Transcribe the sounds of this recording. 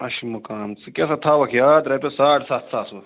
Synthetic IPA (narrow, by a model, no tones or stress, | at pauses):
ɐʃimɐkaːmt͡sɨkʲesɐt̪ʰaːʋɐkʰjaːt̪ɾepʲesaːʈsaːt̪saːsʋɐ